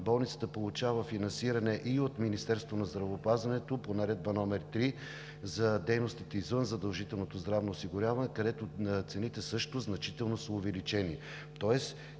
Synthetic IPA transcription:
bɔlˠnit̪sət̪əpolˠʊt͡ʃavɐfinɐnsiɾɐnɛʔiot̪minist̪ɛɾst̪vonɐzd̪ɾɐvoːpazvɐnɛt̪oponɐɾɛd̪̚bɐnɔmɛɾt̪ɾi | zɐd̪ɛjnost̪it̪ɛizvənzɐd̪ɐlˠʒit̪ɛlˠnot̪ozd̪ɾavnoːsiɡʊɾʲavɐnɛkɐd̪ɛt̪ot̪sɛnit̪ɛsɤʃt̪oznɐt͡ʃit̪ɛlˠnosəʊvɛlit͡ʃɛni | t̪ɔɛs

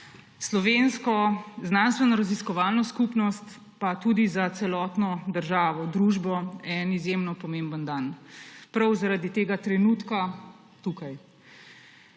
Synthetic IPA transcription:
slɔʋeːnskɔznanst̪ʋɛnɔɾaziskɔʋaːlnɔskupnɔst̪ | pat̪uːd̪izat̪sɛlɔːt̪nɔd̪əɾʒaːʋɔd̪ɾuːʒbɔɛnizjemnɔpɔmeːmbənd̪anpɾawzaɾad̪it̪eːɡat̪ɾɛnuːt̪ka | t̪ukaj

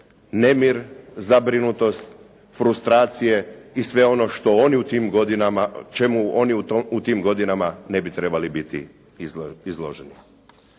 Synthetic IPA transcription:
ne̞miɾzabɾinut̪o̞st̪ | fɾust̪ɾaːt̪sije̞isʋe̞o̞noʃt̪o̞oniut̪iːmɡod̪inamat͡ʃemuo̞niut̪iːmɡo̞d̪inamane̞bit̪ɾe̞balibit̪ḭ | izlˠo̞̰ʒeni

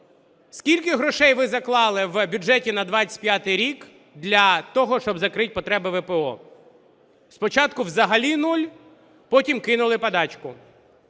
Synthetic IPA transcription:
skʲilʲkɪɦɾɔʃɛjʋɪzɐklˠɑlˠɪwbʲʊd͡ʒɛtʲinɐd̪ʋɑt͡sʲɐ̥tʲpʲjat̪ɪjɾʲik | d̪lʲɐt̪ɔɦɔʃt͡ʃɔbzɐkɾɪt̚ʲpɔt̪ɾɛbɪʋɛpeɔ̰ | spɔt͡ʃɑt̪kʊwzɐɦɐlʲinulʲ | pɔtʲimkɪn̪ʊlˠɪpɐd̪ɑt͡ʃkʊ

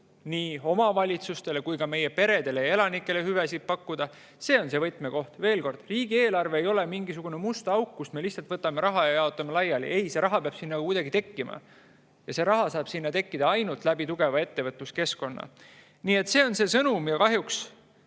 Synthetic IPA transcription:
niːo̞mɑvɑlʲit̪sust̪e̞le̞kujkɑme̞jepe̞ɾe̞d̪e̞leje̞lɑnikːˑe̞le̞hyvæsid̪̚pɑkːud̪̥ɑ | se̞ːo̞nse̞vɤt̪ˑmeko̞ht̪ve̞ːlko̞rd̪̥riːɡ̥ie̞ːlɑrve̞ejo̞le̞miŋɡisuɡ̥une̞must̪ɑwkːusme̞lihsɑlt̪vɤt̪ːˑɑme̞ɾɑɦɑjɑjɑot̪ˑːɑmelɑjːɑlḭʔe̞jse̞ɾɑɦɑpeɑb̥sinːɑkkujd̪̥ɑɡit̪e̞kːimɑ̰ | jɑse̞ɾɑɦɑsɑːb̥sinːɑt̪e̞kːid̪ɑɑjnult̪ˑlæbit̪uɡ̥e̞vɑe̞t̪ːe̞vɤt̪ˑːuske̞sko̞nːɑ̰ | niːe̞t̪ːse̞ːo̞nse̞sɤnumjɑkɑɦjuks

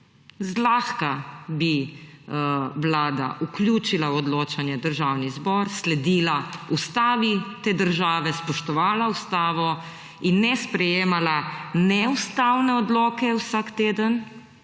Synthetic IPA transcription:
zlaːxkabi | wlaːd̪a̰ʔukljuːt͡ʃilawɔd̪loːt͡ʃanjɛd̪əɾʒawnizbɔɾslɛd̪iːlaust̪aːʋit̪eːd̪əɾʒaːʋɛspɔʃt̪ɔʋaːlaust̪aːʋɔ | inːɛspɾɛjeːmalanɛust̪aːwnɛɔd̪lɔːkɛwsakt̪eːd̪ən

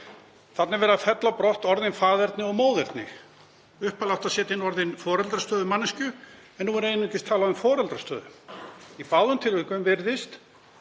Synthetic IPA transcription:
θat̪nɛɾvɛːɾaðfɛt̪lawpɾɔht̪ɔɾðɪnfaːðɛɾt̪nɪɔɣmoːwðɛɾt̪nɪ̰x | ʏhpalaw̥t̪asɛːt̪ɪnːɔɾðɪnfɔːɾɛlt̪ɾast̪œːðʏmanːɪscʏ | ɛnːuɛɾeːjnʏicɪst̪ʰaːlaðʏnfɔːɾɛlt̪ɾast̪œ̰ːðʏ̰ipaːwðʏmt̪ʰɪlvɪkvœmvɪɾðɪst̪

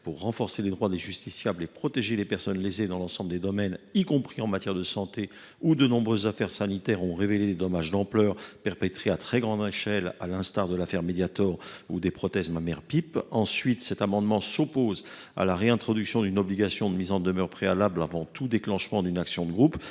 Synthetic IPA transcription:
puʁːɑ̃fɔʁseled̪ʁwad̪eʒyst̪isjablepχɔt̪eʒelepɛʁsɔnlezed̪ɑ̃lɑ̃sɑ̃bləd̪ed̪ɔmɛnikɔ̃pχiɑ̃mat̪jɛʁd̪əsɑ̃t̪e | ud̪ənɔ̃bʁøzːafɛʁsanit̪ɛʁɔ̃ʁeveled̪ed̪ɔmaʒd̪ɑ̃plœːʁpɛʁpɛt̪χeat̪χɛɡʁɑ̃d̪eʃɛla̰lɛ̃st̪aʁd̪əlafɛʁmed̪jat̪ɔʁud̪epχɔt̪ɛzmamɛʁpipɑ̃sɥit̪sɛt̪amɑ̃d̪mɑ̃sɔpoza̰laʁeɛ̃t̪χɔd̪yksjɔ̃d̪ynɔbliɡasjɔ̃d̪əmizɑ̃d̪əmœʁpχealablavɑ̃t̪ud̪eklɑ̃ʃmɑ̃d̪ynaksjɔ̃d̪əɡʁup

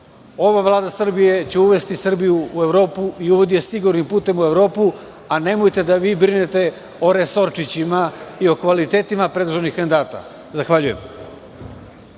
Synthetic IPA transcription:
o̞ʋavlˠaːd̪asr̩bije̞t͡ɕe̞uʋe̞st̪isr̩bijuːe̞vɾo̞ːpuiuʋod̪ijesiɡuɾnimpuːt̪e̞mue̞vɾo̞ːpu | ane̞mojt̪e̞d̪aʋiːbɾinet̪e̞ | o̞ɾe̞so̞ɾt͡ʂit͡ɕimaio̞kʋalit̪e̞ːt̪imapɾe̞d̪uʒenixand̪aːt̪a̰ | zaxʋaʎujem

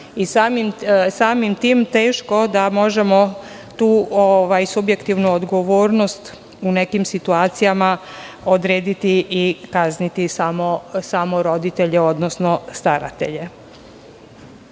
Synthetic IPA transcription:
isamimsaːmimt̪iːmt̪e̞ːʃko̞d̪amo̞ʒemo̞ | t̪uːoʋajsubje̞kt̪iʋnuod̪ɡo̞ʋo̞ːɾno̞st̪ | une̞kimsit̪uaːt̪sijama | od̪ɾeːd̪it̪iːkaznit̪isamosaːmoɾo̞d̪it̪eʎeo̞d̪nosno̞st̪aɾa̰t̪e̞̰ʎe̞

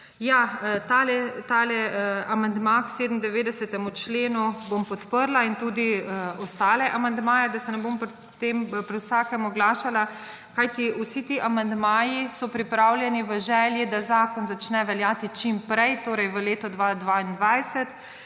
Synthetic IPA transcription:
jat̪alɛt̪alɛamand̪makseːd̪n̩d̪ɛʋeːd̪ɛsɛt̪ɛmut͡ʃleːnubompɔt̪pəɾlaint̪ud̪iɔst̪aːlɛʔamand̪maːjɛd̪asɛnɛbompɾ | t̪empɾiwsakɛmɔɡlaːʃala | kajt̪iusit̪iʔamand̪maːjisɔpɾipɾawljɛniʋəʒɛːljid̪azaːkɔnzat͡ʃnɛʋɛljaːt̪it͡ʃimpɾɛjt̪oːɾɛjʋəleːt̪ɔd̪ʋad̪ʋaind̪ʋajsɛt̪

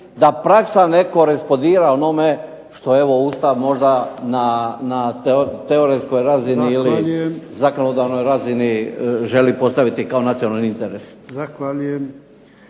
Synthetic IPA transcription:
d̪apɾaksaneko̞ɾespod̪iːɾaono̞me̞ | ʃt̪o̞e̞ʋo̞ust̪aʋmo̞ʒd̪ananat̪eoɾesko̞jɾaziniilijezako̞nod̪aʋno̞jɾaziniʒe̞lipo̞st̪aʋit̪ikao̞nat̪sio̞nalnint̪eɾeszaxʋaʎujem

